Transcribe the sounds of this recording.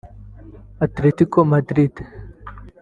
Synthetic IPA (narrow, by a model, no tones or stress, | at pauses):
ɐt̪ɾit̪ikomɐd̪ɾit̪